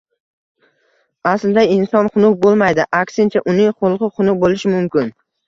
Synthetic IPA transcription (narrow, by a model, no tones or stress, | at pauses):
aslɪd̪aɪnsɒnχʊnʊk̚bolˠmajd̪ɪʔakʲsɪnt͡ʃʰaʔʊnɪŋχʊlˠqɨχʊnʊk̚bolɪʃɪmʊmkʲɪn